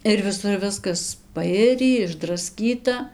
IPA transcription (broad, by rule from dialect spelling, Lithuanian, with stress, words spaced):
ɪr ʋʲɪˈsʊr ˈʋʲɪskɐs pɐˈɪrʲiː ɪʒdrɐˈsʲkʲiːtɐ